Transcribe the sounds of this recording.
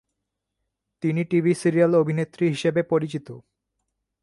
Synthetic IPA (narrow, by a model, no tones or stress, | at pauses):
t̪iniʈibʱisiɾialobʱinet̪ːɾiɦiʃebepoɾit͡ɕit̪o